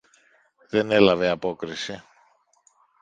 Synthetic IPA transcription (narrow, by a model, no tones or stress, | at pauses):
ðe̞ne̞lɐveɐpo̞kɾisi